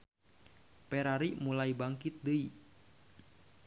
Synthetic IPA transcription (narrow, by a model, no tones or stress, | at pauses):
pɛɾaɾimulaibaŋkit̪̚dəi